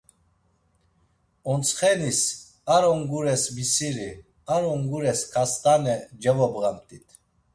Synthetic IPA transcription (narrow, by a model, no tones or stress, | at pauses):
ɔnt͡sʰχɛnis | aɾɔŋɡuɾɛsbisiɾi | aɾɔŋɡuɾɛskʰast̪ʼanɛd͡ʒɛvɔbɣamt̪ʼit̪ʰ